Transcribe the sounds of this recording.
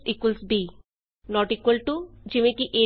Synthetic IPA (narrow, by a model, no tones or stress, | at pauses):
ikwalsbi | nɔʈikwalʈud͡ʑimekiʔe